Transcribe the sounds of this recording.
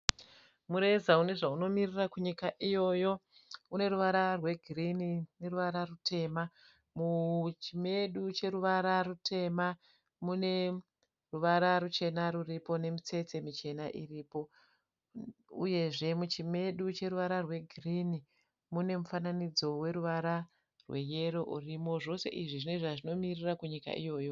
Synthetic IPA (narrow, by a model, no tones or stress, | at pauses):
muɾe̞zaune̞ʐauno̞mirirakuɲikaʔijo̞jo̞une̞ɾuʋaɾarwe̞ɡʱirinine̞ruʋaɾarutʰe̞ːma | mut͡ʃime̞ɗut͡ʃe̞ɾuʋaɾarutʰe̞ma | mune̞ | ruʋaɾaɾut͡ʃe̞naɾuripo̞ne̞mit͡se̞t͡se̞mit͡ʃe̞naʔiriːpo̞ | ṵje̞ʐe̞mut͡ʃime̞ɗut͡ʃe̞ɾuʋaɾarwe̞ɡʱrini | mune̞mufananid͡zo̞we̞ɾuʋaɾa | rwe̞je̞ɾo̞ʔurimo̞ʐo̞se̞̰ʔiʐiʐine̞ʐaʐino̞mirirakuɲika̰ʔḭjo̞ːjo̞